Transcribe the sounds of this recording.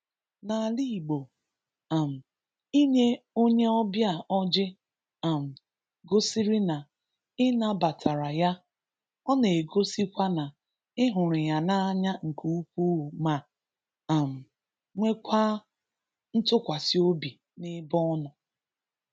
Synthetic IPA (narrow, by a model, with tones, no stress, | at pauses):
na˨li˦˨ɡ͡bo˨ | a˨m̩˨ | i˦ɲe˦o˦ɲe˦ɔ˦bja˦˨ɔ˦d͡ʒɪ˦ | a˨m̩˨ | ɡo˦si˦ɾi˦na˨ | ɪ˦na˦ba˨tʰa˨ɾa˨ja˦ | ɔ˦ne˨ɡo˦si˦kʷa˦na˨ | ɪ˦ɦʊ˨ɾɪ˨ja˨na˦a˦ɲa˦ŋ̩˨ku˦u˦kʷu˦u˨ma˨ | a˨m̩˨ | ŋʷe˦kʷa˦ | n̩˦tʊ˦kʷa˨si˦o˦bi˨ | nɪ˦bɔ˦nʊ˨